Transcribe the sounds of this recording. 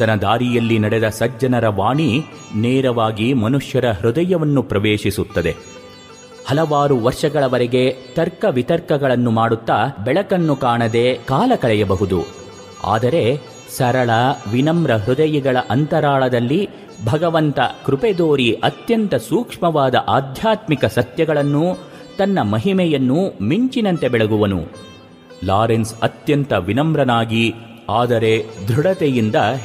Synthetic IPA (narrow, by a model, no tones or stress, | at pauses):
t̪ɐnɐd̪aːɾijɐlːinɐɽed̪ɐsɐd͡ʒɐnɐɾɐʋaːɳi | neːɾɐʋaːɡimɐnuʂjɐɾɐɦɾɔd̪ɐjɐʋɐnːupɾɐʋeːʂisut̪ːɐd̪e̞ | hɐlɐʋaːɾuʋɐɾʂɐɡɐɭɐʋɐɾeɡe̞t̪ɐɾkɐʋit̪ɐɾkɐɡɐɭɐnːumaːɽut̪ːabɛɭɐkɐnːukaːɳɐd̪e̞ːkaːlɐkɐɭɛjɐbɐɦud̪u | a̰ːd̪ɐɾe̞ | sɐɾɐɭɐʋinɐmɾɐɦɾud̪ɐjiɡɐɭɐʔɐnt̪ɐɾaːɭɐd̪ɐlːi | bʱɐɡɐʋɐnt̪ɐ̰kɾuped̪oːɾiʔɐt̪jɐnt̪ɐsuːkʂmɐʋaːd̪ɐʔaːd̪ʱjaːt̪mikɐsɐt̪jɐɡɐɭɐnːu | t̪ɐnːɐmɐɦimɛjɐnːumiɲt͡ʃinɐnt̪e̞bɛɭɐɡuʋɐnṵ | laːɾensɐt̪jɐnt̪ɐʋinɐmɾɐnaːɡi | aːd̪ɐɾe̞d̪ʱɾuɽɐt̪ɛjind̪ɐ